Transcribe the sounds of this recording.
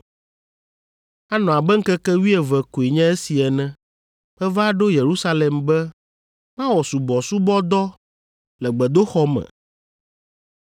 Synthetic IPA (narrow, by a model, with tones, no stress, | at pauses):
a˦nɔ̃˨a˨bɛ˦ŋ̩˦kɛ˦kɛ˦wi˦ɛ˨vɛ˨ko˨e˨ɲɛ̃˦e˦si˨ɛ˨nɛ̃˦ | ɸɛ˦va˦a˦ɖo˦je˨ɾu˦sa˦lɛ˨mbɛ˦ | mã˦wɔ˨su˨bɔ˨su˦bɔ˦d̪ɔ˦ | lɛ˨ɡ͡bɛ˨d̪o˦xɔ˦mɛ̰̃˨